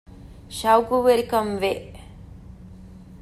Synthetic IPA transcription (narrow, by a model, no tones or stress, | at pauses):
ʃawɡuʋelkɐmʋe